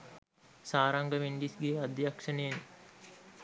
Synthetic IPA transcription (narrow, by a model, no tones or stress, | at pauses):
saːɾɐŋɡəʋinɖisɡeːad̪ijɐkʂɐneːn